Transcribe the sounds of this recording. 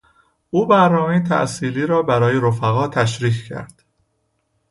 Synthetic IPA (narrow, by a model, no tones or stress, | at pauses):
ʔuːbæɾnɒːme̞jet̪ʰæ̰ʔsiːliːɾɒːbæɾɒːjeɾofæɣɒːt̪ʰæʃɾiːccʰæ̰ɾd̪̥